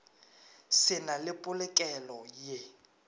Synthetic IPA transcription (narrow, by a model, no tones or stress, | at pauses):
sɪnalɪpʼʊlɛkʼɛlɔje